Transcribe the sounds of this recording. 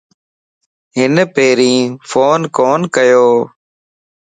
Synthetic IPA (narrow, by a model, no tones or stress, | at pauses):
ɦɪnpeːɾĩːfʰoːnkoːnkəjoː